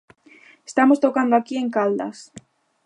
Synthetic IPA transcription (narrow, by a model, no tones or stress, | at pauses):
est̪amost̪okand̪oakieŋkald̪a̰s